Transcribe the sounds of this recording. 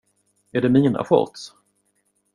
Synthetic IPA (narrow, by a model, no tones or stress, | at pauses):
æɖɛmiːna̰ɧɔ̰ɾt̪s